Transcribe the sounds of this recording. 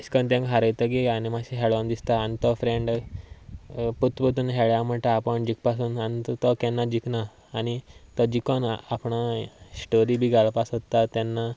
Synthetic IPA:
iskənt̪̬ẽŋkɦaɾəjt̪əɡeanimaɕĩɦɛɭand̪ist̪aːnit̪ɔfɾẽɳɖ | put̪pət̪uːnɦɛɭjam̤əɳʈ̪aːpəɳd͡ʑikpasuːnanit̪t̪ɔkɛ̃nːad͡ʑiknaː | ñit̪ɔd͡ʑikɔnapɳasʈoɾibʱiːɡʱaɭpasɦot̪ːat̪ɛnːa

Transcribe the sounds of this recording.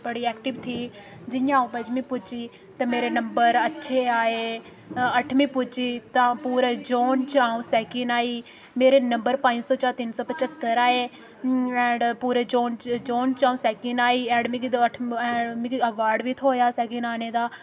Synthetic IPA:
bəɽiːɛːkʈɪʋt̪ʰiː | d͡ʒɪjãːũːpəd͡ʒmĩːpʊt͡ʃiː | t̪ãmeːɾenəmbəɾətːʃʰeːaːeː | əʈʰmĩːpʊt͡ʃiːt̪ãpuːɾeːd͡ʒoːnt͡ʃaːũːsɛːkɪnaːiː | meːɾeːnəmbəɾpãːnd͡ʒsɔːt͡ʃaːɾt̪ɪnsɔːpət͡ʃət̪ːəɾaːeː | ɛ̃ːɳɖpuːɾeːd͡ʒoːnd͡ʒoːnt͡ʃaːũːsɛːkɪnaːiːɛ̃ːɖmɪk̪əʈʰːmɪkəʋaːɾɖʋit̪ʰɦoːjaːsɛːkɪnaːneːd̪aː

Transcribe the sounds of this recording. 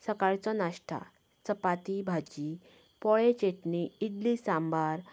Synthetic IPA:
səkaɾt͡sɔnaʂʈʰa̰ | t͡səpat̪ibʱad͡ʑi | pɔɭet͡ɕeʈniid̪lisãmbaɾ

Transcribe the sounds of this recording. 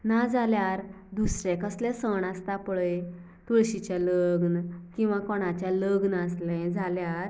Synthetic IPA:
nad͡zaljaɾ | d̪usɾɛ̃kəslɛ̃səɳast̪apəɭe | t̪uɭɕit͡ɕjaləɡnkĩw̃ʋakɔɽ̃ãt͡ɕjaləɡnaslɛ̃d͡zaljaɾ

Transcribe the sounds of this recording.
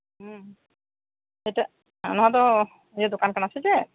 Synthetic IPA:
tejta | nɔɦat̪̬ɔ | zɛd̪okankanasɛzɛ

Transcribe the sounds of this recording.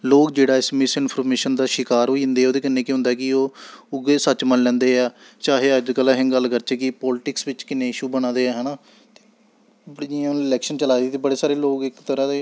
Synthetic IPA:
loːkd͡ʒeːɽaːɪsmɪsɪnpʰəɾmeːʃənd̪aːʃɪkaːɾɦoːiːɪnd̪eːɛoːd̪eːkənːẽːkɪɦʊ̃nd̪aːkɪoːʊɡeːsət͡ʃmənlɛ̃ːnd̪eːɛː | t͡ʃaːɦeːəd͡ʒkəlaɦɛ̃ːɡəlkəɾt͡ʃəkɪpɔːlɪʈɪksʋɪt͡ʃkɪnẽːɪʃuːbəñãːd̪eːɛːɦɛːnaː | t̪eː | d͡ʒɪãːɪlɛːkʃənt͡ʃəlaːiːt̪eːbəɽeːsaːɾeːloːkɪkt̪əɾãːd̪eː

